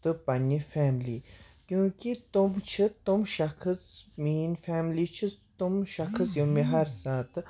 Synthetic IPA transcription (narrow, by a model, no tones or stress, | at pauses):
t̪ɨpɐnːifɛːmliː | kʲjũːkit̪umt͡ʃʰit̪umʃɐxʰɨsmiːnfɛːmliːt͡ʃʰɨt̪umʃɐkʰɨsjomiɦɐɾsaːt̪